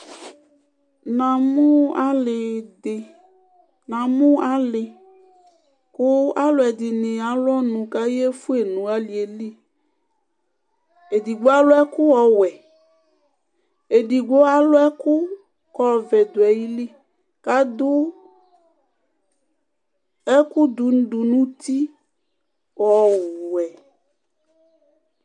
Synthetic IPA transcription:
nã˨mʊ˦a˦lɪ˨ɪ˨ | nã˨mʊ̃˦a˦lɪ˨ | kʊ˦a˦lʊ˨˦ɛ˨d̪ɪ˨nɪ̃˨a˨˦lɔ˦nʊ̃˨ka˦je˦fu˦e˨nũ˨a˦li˨e˨li˦ | e˨di˨ɡ͡bo˦a˦lʊ˦ɛ˦kʊ˦ɔ˨wɛ˨ | e˨di˨ɡ͡bo˦a˦lo˦ɛ˦ku˦ | kɔ˦˨vɛ˨d̪o˨ɛ˨ji˦li˦ | ka˦d̪u˦ | ɛ˦ku˦d̪u˨n̩˦ɖu˨nũ˦t̪i˦ | wɔ˨wɛ˨

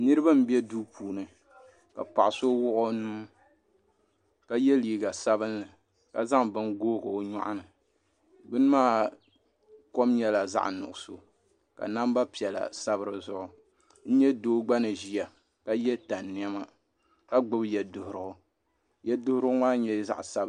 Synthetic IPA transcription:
nɨ˦ɾɨ˦ba˦m̩˦bi˦ɛ˦duː˦pʰuː˨nɨ˨ | ka̰˨pa˨ʔso˦wʊ˦ʔʊ˦nuː˦ | ka˦jɛ˦liː˨ɡa˨sa˦βɨ˦nːɨ˨ | ka̰˨za˦ŋbɨ˦nɡoː˦ɡɨ˨o˨ɲɔ̰˦ʔʊ˦nɨ˨ | bɨ˦n˦maː˦˨ | ko˦mɲɛ˦la˨za̰˦ʔnʊ̰˨ʔʊ˨so˨ | ka̰˨na˦m˦ba˦pi˨ɛ˨la̰˨sa˦bɨ˦ɾɨ˦zʊ˦ʔʊ˨ | n̩˦ɲɛ˦doː˦ɡ͡ba˦nɨ˨ʒi˦ja˨ | ka˦jɛ˦ta˨nːi˦ɛ˦ma˦ | ka˦ɡ͡bɨ˦bjɛ˨dʊ˨hʊ˨ɾɨ˨hʊ˦ | jɛ˦dʊ˦hʊ˦ɾɨ˦ʊ˦maː˦ɲɛ˦za̰˦ʔsa˦b

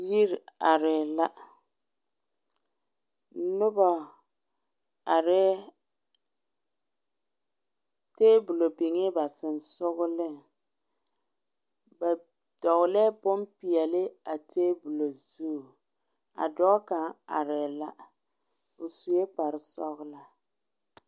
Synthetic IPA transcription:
ji˦ɾa˨ɾɪ˨la˦ | nʊ˦bɔ˨ | a˨ɾɛ˦ | teː˦bu˨lo˨bi˨ŋɪ˦ba˨sɪ˨nsʊ˦ɣʊ˦lɪ˦˨ŋ | ba˨ | dɔ˨ɣʊ˨lɛ˦bʊ˦mpi˨ɛ˨lɪ˦a˨tʰeː˦bu˨lo˨zu˦˨ | a̰˨dɔ˦ka˨ŋa̰˨ɾɛ˨la˦ | ʊ˨su˨e˦pa˨ɾɪ˨sɔ˦ɣʊ˦la˨

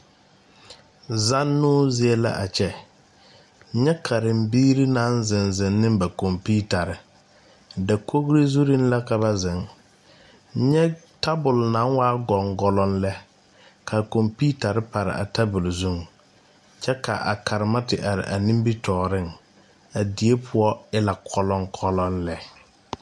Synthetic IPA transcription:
za˦nːʊː˦zɪ˦ɛ˦la̰˦ʔa˨t͡ʃɛ˦ | ɲɛ˦kʰa˨ɾɪ˨mbiː˦ɾi˦nã˨˦nzɪ˨nzɪ˨nːɪ˦mba˨kɔ˨mpiː˦ta˨ɾɪ˨ | da˨kʰo˦ɣɾe˦zu˦ɾi˦n˦la˦ka˨ba˦zɪ˨ŋ˦ | ɲɛ˦ | ta˦bʊ˨lna˨˦ŋ˦waː˦ɡɔ˨ŋɡɔ˨lɔ˦nlɛ˦ | kʰa˨ko˨mpi˦ta˨ɾɪ˦pa˨ɾɪ̰˨ʔa̰˨tʰa˦bʊ˨lzu˦˨ŋ | t͡ʃɛ˦ka̰˨ʔa̰˨ka˨ɾɪ˨ma˦tɪ˨ʔa˨ɾɪ̰˨ʔa˨nĩ˦m˦bi˦tʰɔː˨ɾɪ˦˨ŋ | a˨di˨˦e˦pʰʊ˦ɔ˦ɪ˦la˨kʰɔ˦lɔ˦ŋkʰɔ˦lɔ˦nlɛ˦

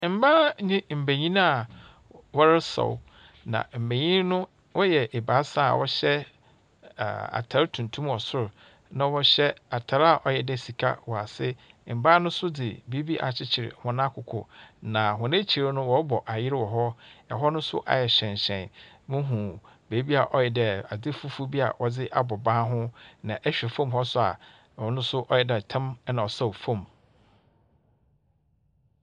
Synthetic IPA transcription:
m̩˨ba˦ɲĩ˦m̩˨be˨ɲĩ˦n˦a˨ | wɔ˦ɾɪ˦sɔ̰˨w | nã̰˨m̩˨be˨ɲĩ˦n˦nʊ̃˦ | wʔɔ˦jɛ˨ʔe˨ba˨˦sã˦˨a̰˨wʔɔ˦ɕɛ̰˦˨ | a̰˨tʰa˨ɾtʰũ˨ntʰũ˦mɔ˨sʊ˦ɾʊ˨ | nã˨wɔ˦ɕɛ˦a˨tʰa˨˦ɾa˦˨ʔɔ˦jɛ˨dɛ˨si˨kʰa̰˦wɔ˨a˨sɪ˦m̩˨ba˦nʊ̃˦sʊ˦dɪ˨bi˦bi˦ʔa̰˨t͡ɕʰɪ˦t͡ɕʰɪ˨ɾɪ̰˨hʊ̃˨nã˦kʰʊ˨kʰʊ̰˨nã˨hʊ̃˨nẽ˦t͡ɕʰi˨ɾa˦nʊ̃˦wɔ˨˦bɔ˨ʔa˨jɪ˦ɾɪ˦wɔ˨ɦɔ˦ɛ̰˨ɦɔ˦nʊ̃˦sʊ̰˦ʔa̰˨jɛ˨ɕᶣɛ̃˨ɲ˨ɕɛ̃˨n | mʊ̃˦ɦũ˨ | beː˨˦bi˦a˨ʔɔ˦jɛ˨dɛ˨a˨d͡zɪ˦fu˦fu˦bi˦a̰˨wɔ˨d͡zɪ˦ʔa˦bɔ˨bã˦ɦʊ̃˦nã˨ʔɛ˦ɕᶣɛ˨fõ˦mɦɔ˦sʊ˦a̰˨ | ɔ˨nʊ̃˦sʊ˦ʔɔ˦jɛ˨dɛ˨tʰɛ̃˦m˦nã˨sa˦o˨fõ˦˨m

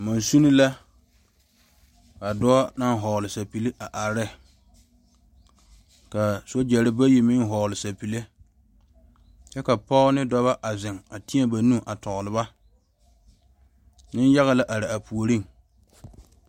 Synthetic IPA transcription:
ma˨nsu˦ni˦la˦ | a˨dɔ˦a˦na˦ŋɦɔ˨lɪ˨sa˨pi˨lɪ˦ʔa˨ʔa˨ɾɪ˦˨ | ka˨so˦d͡ʒɛ˨ɾɪ˦ba˦ji˨mɪ˦ŋ˦ɦɔ˨lɪ˨sa˨pi˨le˦ | t͡ʃɛ˦ka˨pa˦ʊ˦nɪ˦dɔ˦βa˦ʔa˨zɪ˨ŋa˨ti˦ɛ˦ba˨nũ˦ʔa˨tɔ˨ɣʊ˨lɪ˨ba˦ | nɪ˦n˦ja˦ɣa˨la˦ʔa˨ɾɪ˨a˨pu˨o˨ɾi˦˨ŋ

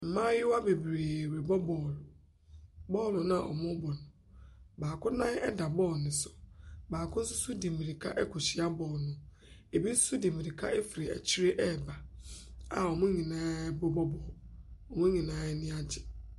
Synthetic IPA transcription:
m̩˨mãː˦jɪ˦wa˦be˨bɾeː˨we˨bɔ˦bɔː˨lʊ˨ | bɔ˦˨lʊ˨nã˨ʔɔ̰˨mʊ̃˦bɔ˨nʊ̃˨ | baː˨kʰʊ̃˦nã˦ɛ̰˦da˨bɔː˦˨nɪ̃˨sʊ̥˨baː˨kʰʊ̃˦n̩˦sʊ˦su˦di˨mĩ˨ɾi˨kʰa̰˦ʔɛ˦kʰɔ˨ɕi˦a˦bɔː˨nʊ̃˨ | e˨bi̥˦su˦di˨mĩ˨ɾi˨kʰa̰˦ʔe˦fi˨ɾe˨æ̰˨t͡ɕʰi˦ɾe˦ʔɛ˦˨ba˨ | a˨ɔ˨mʊ̃˦ɲĩ˨nãː˨˦bɔ˦bɔ˦bɔː˨lɔ˨mʊ̃˦ɲĩ˨nãː˨˦ɛ˦nɪ̃˦a˦d͡ʑɪ˨

